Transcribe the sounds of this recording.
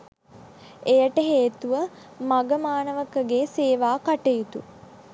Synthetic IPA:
ejəʈəɦeːt̪uʋə | maɡəmaːnəʋəkəɡeːseːʋaːkaʈejut̪u

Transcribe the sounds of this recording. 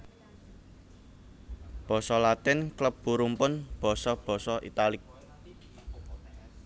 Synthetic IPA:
b̥ɔ̤sɔlat̪ɪnkləp̚b̥uɾumpʊnb̥ɔ̤sɔb̥ɔ̤sɔʔḭt̪alɪk̚

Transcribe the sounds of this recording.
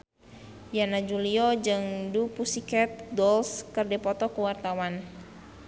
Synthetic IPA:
janad͡ʒuliɔd͡ʒəŋdupusikɛt̪̚ɡɔlskərdepɔt̪ɔkəwart̪awan

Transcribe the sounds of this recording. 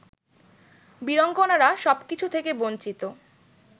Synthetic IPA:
biɾɔŋɡonaɾaʃɔbkit͡ɕʰut̪ʰekebont͡ɕit̪o

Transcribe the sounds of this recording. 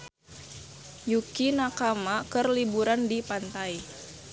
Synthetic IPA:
jukinakamakərlibuɾandipant̪ai

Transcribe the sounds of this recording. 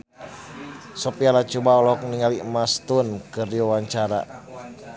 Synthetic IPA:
sɔpialat͡ʃubaɔlɔk̚niŋalimast̪unkɨrdiwawaɲt͡ʃaɾa̰

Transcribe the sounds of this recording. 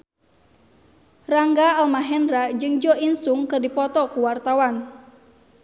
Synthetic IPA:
raŋɡaalmaɦɛnɾad͡ʒɨŋd͡ʒɔinsuŋkɨrdipɔt̪ɔkuwart̪awan

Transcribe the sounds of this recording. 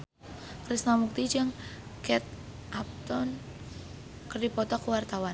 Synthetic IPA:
kɾisnamuk̚t̪id͡ʒɨŋkɛt̪̚ | ʔap̚t̪ɔn | kərdipɔt̪ɔkəwart̪awan

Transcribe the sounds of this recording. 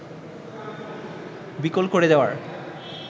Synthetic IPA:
bikolkoɾed̪eoa̰ɾ

